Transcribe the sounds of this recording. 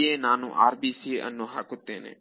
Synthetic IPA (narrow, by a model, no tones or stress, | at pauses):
eːnaːnṵ̃ʔaːɾbiːsieʔɐnːõːɦaːkʊt̪ːeːnḛ̃ː